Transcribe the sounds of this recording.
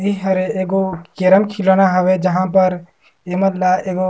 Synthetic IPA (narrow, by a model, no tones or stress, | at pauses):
iɦɐɾeeːɡokeɾəmkʰɪloːnaɦɐʋed͡ʒɐɦãpɐɾ | eməd̪laeːɡo